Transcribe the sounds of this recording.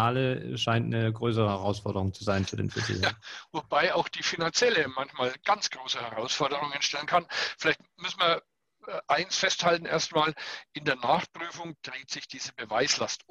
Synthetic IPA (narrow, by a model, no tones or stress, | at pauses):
aːləʃaɪntnəɡʁøːs̬əʁəhɛʁaʊsfɔɐdəʁʊŋt͡suzaɪnfyːɐdḛːnfɪtḭːvobaɪaʊxd̥iːfinant͡sjɛləmançmaːlɡ̥ant͡sɡ̥ʁoːsəhɛʁaʊsfɔɐdəʁʊŋənʃtɛlənkʰanfɪlaɪçtmʏsn̩viɐ | ʔaɪnsfɛsthaltn̩ʔḛːɐstmaːlʔɪndeːɐnaːχpʁ̥yːfʊŋd̥ʁeːtz̥ɪçd̥iːzəbəvaɪslast